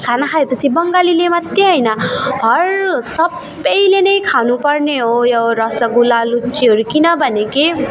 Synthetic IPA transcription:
kʰanʌkʰaepʌt͡sʰibʌŋɡalilemʌt̪ːeɦʌjnʌbʱʌrsʌb | ʌjlenʌjkʰanupʌrneɦojoɾʌsʌɡulalut͡sʰiɦʌɾukinʌbʱʌneki

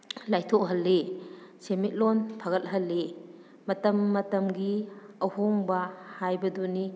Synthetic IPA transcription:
lajtʰɔk̚ɦɐlːisemit̚lɔnpʰɐɣɐt̚ɦɐlːi | mɐtɐmːɐtɐmɡiɐwhoŋbɐhajbɐduni

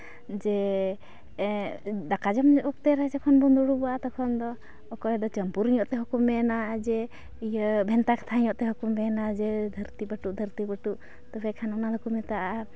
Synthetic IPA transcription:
d͡ʒɛ | d̪akad͡ʒɔmɔk̚t̪ɛɾad͡ʒɛkʰɔnbɔnd̪uɽubɔat̪ɔkʰɔnd̪ɔː | kɔɛd̪ɔt͡ʃəmpuɾiɲɔʔt̪ɛɦɔkumːɛnad͡ʒɛ | ijəbʱɛnt̪akʰḁt̪ʰaiɲɔʔt̪ɛɦɔkumːɛnad͡ʒɛd̪ʱəɾt̪ibəʈuʔd̪ʱəɾt̪ibəʈuʔ | t̪ɔbɛkʰanɔnalɔkumɛt̪aʔaa

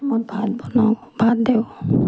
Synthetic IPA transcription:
mɔjbʱat̪̚bɔnɔ | bʱat̪̚d̪e

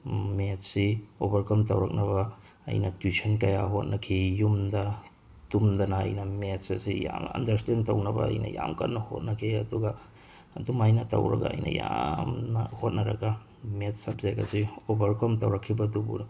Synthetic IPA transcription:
metsiobɐɾkɐmtɐwɾɐk̚nɐβɐ | ɐ̰jnɐtwisʰɐnkɐjaɦot̚nɐkʰijumdɐ | tumd̪ɐnɐ̰ːjnɐmetsɐsija̰mɐ̰ndɐɾstentɐwnɐbɐ̰ɐ̰jnɐ̰ja̰mkɐnːɐho̰t̚nɐkʰiɐduɡɐː | dumajnɐtɐ̰wɾɐɡɐ̰ɐ̰jnʔɐ̰jamnɐhot̚nɐɾɐ̰ɡɐ | metsɐb̚zeɡɐ̰siobɐɾkɐmtɐ̰wɾɐkʰːibɐdubṵn

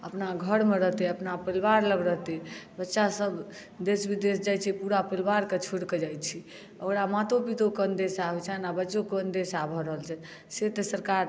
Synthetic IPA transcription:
əpnaɡʱəɽmeɾəɦt̪ɛəpnapəlʋaɾləbɾəɦt̪ɛbətːʃasəb | d̪esbid̪esd͡ʒajt͡ʃʰɛpuɾapəlʋaɾket͡ʃʰuɽked͡ʒajt͡ʃʰi | əkɽamat̪opit̪okənd̪esaet͡ʃʰɛnabətːokeənd̪esabʱɔɾəɦəlt͡ʃʰɛ | set̪esəɾkaɾ

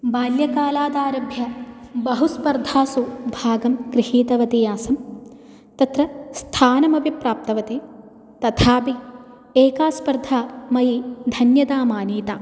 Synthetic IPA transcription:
baːljɐkaːlaːd̪aːɾɐbʱjɐ | bɐɦuspɐɾd̪ʱaːsubʱaːɡɐmkɾihiːt̪ɐʋɐt̪ijaːsɐm | t̪ɐt̪ɾɐst̪ʰaːnɐmɐbʱipɾaːp̚t̪ɐʋɐt̪e | t̪ɐt̪ʰaːpi | eːkaːspɐɾd̪ʱaːmɐjid̪ʱɐnjɐd̪aːmaːniːt̪aː

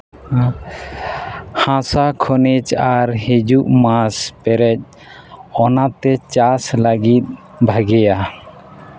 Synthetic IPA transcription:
hãsakʰɔnɛt͡ʃaɾhid͡ʒuʔmãspɛɾɛc̚ | ɔnat̪ɛt͡ʃaslaɡit̪̚ | bʱaɡɛja

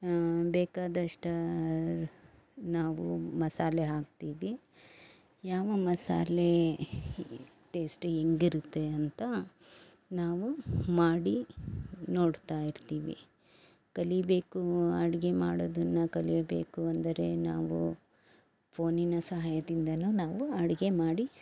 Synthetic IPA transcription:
bɛːkaːd̪ɐʂʈɐ | naːʋumɐsaːleɦaːk̚t̪iːʋi | jaːʋɐmɐsa̰ːle | ʈe̞ːsʈeŋɡiɾut̪ːe̞ɐnt̪ɐ | naːʋumaːɽi | noːɽt̪aːjiɾt̪iːʋḭ | kɐlibe̞ːkuɐɽiɡe̞maːɽod̪ɐnːɐkɐlijbe̞̰ːkuɐnd̪ɐɾe̞naːʋṵ | pʰo̞ːninɐsɐɦaːjɐd̪ind̪ɐnunaːʋuɐɽiɡe̞maːɽi

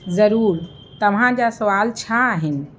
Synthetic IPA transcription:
zəɾuːɾ | t̪əmɦãd͡ʒasəʋalt͡ʃʰaːɦɛn

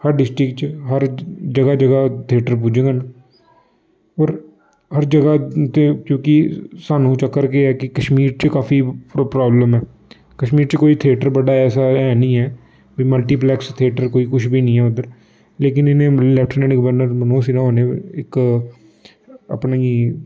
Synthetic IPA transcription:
həɾɖɪsʈɾɪkt͡ʃɦəɾd͡ʒəɡaːd͡ʒəɡat̪ʰieːʈəɾp̬uːd͡ʒẽːɡaːna | ɔːɾ | həɾd͡ʒəɡat̪ekjõːkisaːnũːt͡ʃəkːəɾkeɛːkɪkəʃmiːɾt͡ʃəkaːfʰiːpɾaːbləmɦɛː | kəʃmiːɾt͡ʃəkoːit̪ʰɪeːʈəɾbəɖaːɛːsaɛːnĩːɛː | biːməlʈiːplɛːkst̪ʰeːʈəɾkoːiːkʊt͡ʃʰbʱiːnĩːɛːʊd̪əɾ | leːk̬ɪnɪnẽːlɛːpʰʈnɛ̃ːɳɖɡəʋəɾnəɾmənõːsinãɦoːneɪk | ə̰pnːi

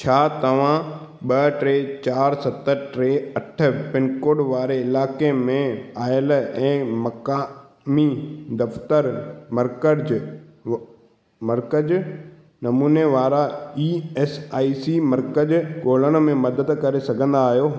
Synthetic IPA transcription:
t͡ɕʰaːt̪ɐʋ̤ã | ɓɐʈɾeːt͡ɕaːɾsɐt̪əʈɾeːɐʈʰə̆pɪnkoːɽʋaːɾeɪlaːkemẽaːɪəlɛ̃ːmɐkaː | mid̪ɐft̪əɾmɐɾkəd͡ʑ | mɐɾkəd͡ʑ | nɐmuːneʋaːɾaiːɛːsaːisimɐɾkəd͡ʑɠoːl̤əɽ̃̆mẽmɐd̪əd̪kɐɾesɐɡʱə̃n̆d̪aːɦjoː

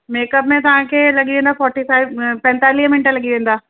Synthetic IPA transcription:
meːkəpmẽt̪ɐɦãkelɐɡiʋẽːnd̪afɔːɾʈifaːɪbpɛ̃nt̪aːlijmɪ̃nʈãlɐɡiʋẽːn̆d̪aː

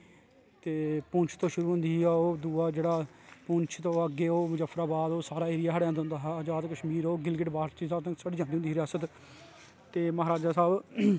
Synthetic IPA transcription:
t̪eːpʊɲt͡ʃʰt̪õːʃʊɾuːɦʊ̃nd̪iːɛoːd̪uːaːd͡ʒeːɽaː | pʊɲt͡ʃʰt̪õːəɡːeːoːmʊd͡ʒəfʰːɾaːbaːd̪oːsaːɾaːeːɾɪjaːɦəɽjãːnd̪ɦʊ̃nd̪aːɦaːd͡ʒaːd̪kəʃmiːɾoːɡɪlɡɪʈbaːɾiːsaːt̪ːsaːɽiːd͡ʒãːnd̪ːɦnd̪iːɾɪjaːsət̪ | t̪eːməɦaːɾaːd͡ʒaːsaːb

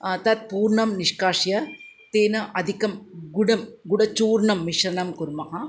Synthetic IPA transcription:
t̪ɐt̪̚puːɾɳɐmniʂkaːʂjɐ | t̪eːnɐʔɐd̪ʱikɐmɡuɽɐmɡuɽɐt͡ʃuːɾɳɐmːiʂɾɐnɐmkuɾmɐɦɐ

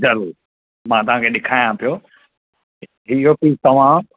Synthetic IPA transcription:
zɐɾuːɾ | mãːt̪ɐʋ̤ãkʰeːɗɪkʰaːjãpijoː | iɦopiːt̪ɐʋ̤ã

